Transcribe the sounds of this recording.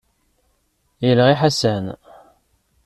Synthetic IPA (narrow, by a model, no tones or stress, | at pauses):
jəlʁiħasæn